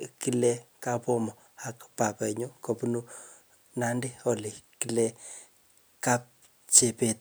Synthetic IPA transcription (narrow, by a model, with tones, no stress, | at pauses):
ki˦lɛ˦ka˦po˦mɔ˨ | a˦kpa˨kɛ˨ɲo˦ko˨pu˦nu˦ | na˦nde˦ɔ˨le˨ki˦le˦ | ka˦p̚ | t͡ʃe˨pe˦t̪